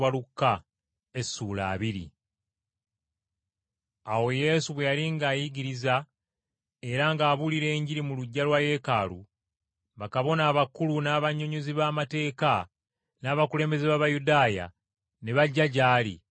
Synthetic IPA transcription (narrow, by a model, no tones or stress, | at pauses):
walukːa | esːuːla̰ːβiɾḭ | awo̞je̞ːsuβwe̞jaliŋɡaːjiɡiɾiza | e̞ɾaŋɡaːβuliɾe̞ːɲɟiɾimuluɟːalwaje̞ka̰ːlu | βakaβo̞naːβakːulunaːβaɲːoɲuziβaːmate̞ːka | naːβakule̞ːmbe̞zeβaβajudaːja̰ | ne̞βaɟːaɟaːlḭ